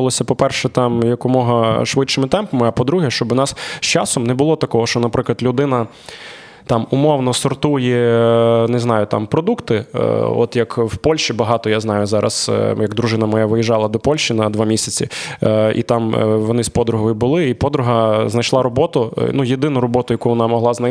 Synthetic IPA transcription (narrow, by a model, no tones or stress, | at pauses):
lˠɔsʲɐpɔpɛrʃɛt̪ɑmjɐkʊmɔɦɐʃʋɪt͡ʃʃɪmɪt̪ɛmpɐmɪɐpɔd̪ɾuɦɛʃt͡ʃɔbnɑsst͡ʃɑsɔmnɛbʊlˠɔt̪ɐkɔɦɔʃt͡ʃɔnɐpɾɪklˠɐt̪lʲʊd̪ɪnɐ | t̪ɑmʊmɔwnɔsɔrt̪ujɛ | nɪznɑjʊt̪ɑ̰mpɾɔd̪ukt̪ɪ̰ɔ̰t̪jɐkwpɔlʲʃt͡ʃibɐɦɑt̪ɔjaznɑjʊzɑɾɐ̰sjɐɡd̪ɾʊʒɪnɐmɔjaʋɪjiʒɑlˠɐd̪ɔpɔlʲʃt͡ʃinɐd̪ʋɑmʲisʲɐt͡sʲiḭt̪ɑmʋɔnɪspɔd̪ɾʊɦɔjʊbʊlˠɪipɔd̪ɾʊɦɐznɐjʃlˠɑɾɔbɔt̪ʊnujed̪ɪnʊɾɔbɔt̪ʊjɐkuʋɔnɑmɔɦlˠɑznɐ